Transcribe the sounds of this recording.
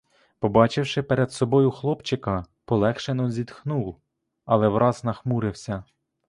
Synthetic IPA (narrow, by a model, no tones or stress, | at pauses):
pɔbɑt͡ʃɪwʃɪpeɾed̪sɔbɔjʊxlˠɔpt͡ʃɪkɐ | pɔlˠɛxʃenɔzʲid̪xnuw | ɐlˠɛʋɾʔɑznɐxmuɾɪwsʲɐ